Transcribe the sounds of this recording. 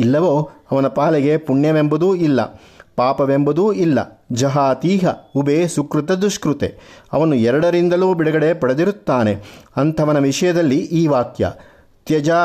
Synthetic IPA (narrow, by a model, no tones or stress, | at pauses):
ilːɐʋo̞ːɐʋɐnɐpaːlɛɡe̞puɳjɐʋembɐd̪uːilːɐ̰ | paːpɐʋembɐd̪uːilːɐ̰d͡ʒɐɦaːt̪iːɦɐubeːsukɾut̪ɐd̪uʃkɾut̪ḛɐ̰ʋɐnuɛɾɐɽɐɾind̪ɐluːbiɽɐɡɐɽe̞pɐɽɐd̪iɾut̪ːaːneɐnt̪ʰɐʋɐnɐʋiʂɐjɐd̪ɐlːiʔiːʋaːkjɐ̰ | t̪jɐd͡ʒaː